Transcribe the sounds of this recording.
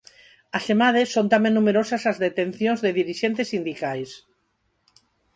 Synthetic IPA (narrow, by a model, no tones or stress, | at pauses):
asemað̞esːont̪amẽnːumeɾosasazðet̪en̟θjõnzðeðiɾiʃent̪esind̪ikajs